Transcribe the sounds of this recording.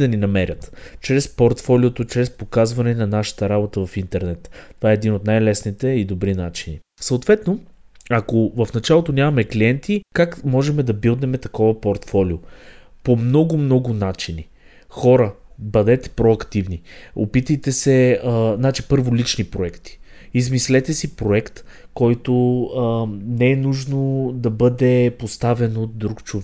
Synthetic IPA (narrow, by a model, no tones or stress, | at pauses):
d̪ɐninɐmɛɾʲət̪t͡ʃɾɛspoɾt̪fɔliot̪ot͡ʃɾɛspokazvɐnɛnɐnaʃə̥t̪əɾabot̪əvɐfint̪ɛɾnɛt̪ːt̪ːovaɛɛd̪inot̪najlɛsnit̪ɛid̪obɾinat͡ʃini | sɐot̪vɛt̪no | akovɐfnɐt͡ʃalˠot̪onʲamɐmɛkliɛnt̪ikakmɔʒɛmɛd̪ɐbilˠd̪nɛmɛt̪ɐkɔvɐpoɾt̪fɔliopomnɔɡʊmnɔɡʊnat͡ʃini | xɔɾəbɐd̪ɛt̪ɛ̥pɾoɐkt̪ivnio̰pit̪əjt̪ɛsɛznat͡ʃipɤɾvolit͡ʃnipɾoɛkt̪i̥ | izmislɛt̪ɛsipɾoɛkt̪ | kɔjt̪o | nɛɛnuʒnod̪ɐbɤd̪ɛpost̪avɛnot̪̚d̪ɾukt͡ʃovɛ